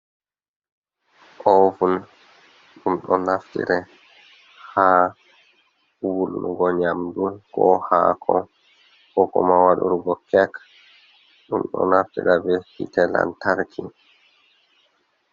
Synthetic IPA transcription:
ʔɔvun | ɗumɗɔnaftḭɾɛ | ha | wuluɡɔɲamdunkɔhakʰɔ | kɔkɔ̰mawaɗṵɾuɡɔkɛk | ɗumɗɔ̰naftiɾabɛhitɛla̰ntaɾkʰi

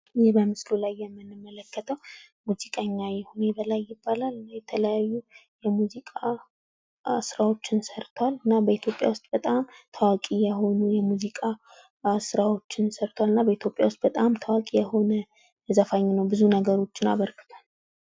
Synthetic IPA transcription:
jɪbəmɨslulajːɛmːɨnːɨmːələkːət̪ʰəwmuzikʼəɲːajɛhunebəlajːɪbːalaljɛt̪ʰələjajːujɛmuzikʼa | sɨɾawo̞t͡ʃːɪnsəɾt̪ʰwalɨnːabəit̪ʰjo̞pʼja̰wʊst̪ʼbət̪ʼamt̪ʰəwakʼijɛho̞nujɛmuzikʼa | sɨɾawo̞t͡ʃːɪnsəɾt̪ʰwalɨnːabəit̪jo̞pʼja̰wʊst̪̚ʼbət̪ʼamt̪ʰəwakʼijɛho̞nə | zəfaɲːnəwbɨzunəɡəɾo̞t͡ʃːɪna̰βəɾkʰɨ̥t̪ʰal

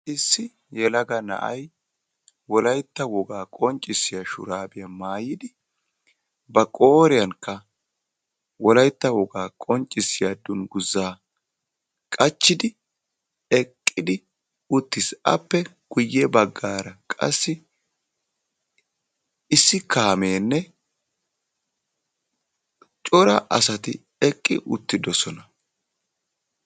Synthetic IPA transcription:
ʔɪsːɪ | jɛlɐɡɐnɐ̰ʔɐ̰j | wɔlɐjt̪ːɐwɔɡaːkʼɔnt͡ʃʼːɪsːɪjaʃʊ̰ɾaːbɪjɐmaːjɪd̪ɪ | bɐkʼoːɾɪjɐŋkːɐ | wɔlɐjt̪ːɐwɔɡaːkʼɔnt͡ʃʼɪsːɪjad̪ːʊnɡʊzːaː | kʼɐt͡ʃːɪd̪ɪ | ɛkʼːɪd̪ɪ | ʊt̪ːɪsɐ̰pːɛ | ɡ̥ʊjːɛbɐɡːaːɾɐkʼɐ̰sːɪ | ɪsːɪkaːmeːnːɛ | t͡ʃʼɔɾɐʔɐsɐt̪ɪ | ɛkʼːɪ̰ʔʊ̰t̪ːɪd̪ɔsɔnɐ

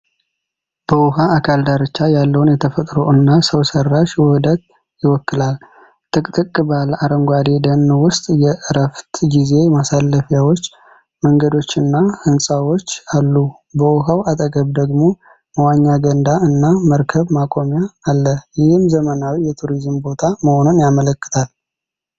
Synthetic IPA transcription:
b̥əwʊhaːkʰald̪aɾɨt͡ʃːajalːəwʊnjɛt̪ʰəfət̪ʼɾo̞ɨnːasəwsərːaʃwʊhɨd̪ət̪ | jɪwɔkːɨlal | t̪ʼɨkʼt̪ʼɨkʼːɨbalaɾəŋɡʷad̪e̞d̪ənːwʊst̪ʼjɛʔɨɾəft̪ɡize̞masalːəfjawo̞t͡ʃː | məŋɡəd̪o̞t͡ʃːɨnːahɨnsʼawo̞t͡ʃːalːu | bəwʊɦəwat̪ʼəɡəβd̪əɡmo̞ | məwaɲːaɡənd̪aɨnːaməɾkʰəβmakʼo̞mjaːlːəjɪhɨmzəmənawijɛt̪ʰuɾizmbo̞t̪ʰaməho̞nunjamələkːɨ̥t̪ʰal

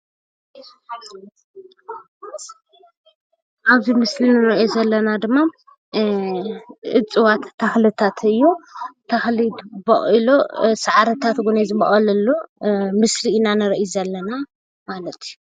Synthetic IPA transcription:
ʔaβzimɨslinɨɾɐʔezɐlːɐnad̪ɨmːa | ʔɨ̰t͡sʼɨwat̪ʰːaxlɨt̪ʰat̪ʰɨjːut̪ʰaxlit̪bɐχʼilosaʕaɾɐt̪ʰat̪ɡunezɨbɐχʼɐlɐlːumɨsliːnanɨɾɐʔuzɐlːɐna | malɐt̪ʰju

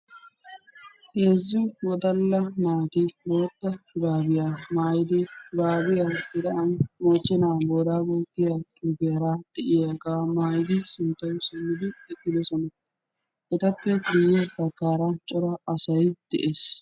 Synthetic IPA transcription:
keːzːɪwɔd̪ɐlːɐnaːt̪ɪboːt̪ːɐfʊbaːbɪjamaːjɪd̪ɪʊbaːbɪjaɡɪd̪ɐʔɐnmɔt͡ʃːɛnaːboːd̪aːɡoɡɪjad̪ʊɡɪjɐɾad̪̥ɛʔɪjaɡaːmaːjɪd̪ɪsɪnt̪ːɐjʊsɪmːɪd̪ɪɛkːɪd̪ɛsɔnɐ | ʔɛt̪ɐpːɛɡʊjːɛbɐkːaːɾɐt͡ʃʼɔɾɐɐsɐjd̪̥ɛ̰ʔeːs

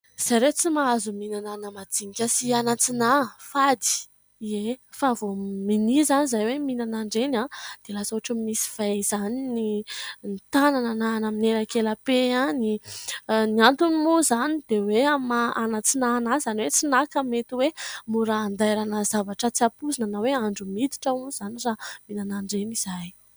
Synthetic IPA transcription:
z̥ajɾet͡simaazuminananəmad͡ziɲikʲəsianat͡sinafad̪i̥ | iefavominizanizajweminanaɳɖ͡ʐenad̪̥elasoaʈ͡ʂəmimisi̥v̥az̥aninint̪ananananamineɾakelapeani | niant̪unimuzanid̪̥eweamaanat͡sinanaz̥aniwet͡sinakəmet̪iwemuɾaːnd̪ajɾanazavaʈ͡ʂət͡siapuzinanaweaɳɖ͡ʐumid̪i̥ʈ͡ʂəuniz̥aniraminanaɳɖ͡ʐeniz̥aj

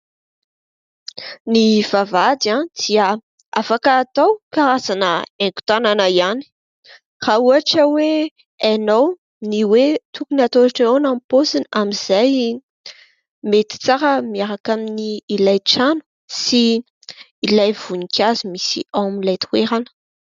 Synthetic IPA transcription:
niv̥avad̪ãd̪̥iə | afakaːt̪awkaɾasanəeŋku̥t̪ananəiani̥ | rauaʈ͡ʂəwe | anow | niwet̪ʰukunat̪oaʈ͡ʂaonamposinamiz̥aj | met̪i̥t͡saɾəmiaɾakaminiːlajʈ͡ʂanu̥ | siː | lajvunikʲʰazimisḭamilajt̪uweɾanə̥

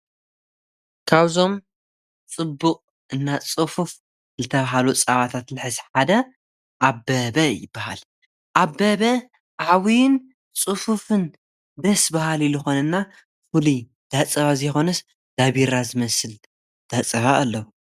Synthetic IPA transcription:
kʰaβzo̞m | t͡sʼɨbːuqʼ | ʔɨnːat͡sʼɨfuf | zɨt̪ʰɐβaɦalut͡sʼɐβat̪ʰat̪lɨħɨzħad̪ɐ | ʔabːɐbɐjɪ̰bːaha̰l | ʔabːɐβɐ | ʔʕawin | t͡sʼɨfufɨn | d̪ɐsbahalilɨxo̞nɐnːa | fuli | d̪̥at͡sʼɐβazɐjxo̞nɐs | d̪̥aβiɾazɨmɐsɨl | d̪̥at͡sʼɐβaʔːlːɐwu

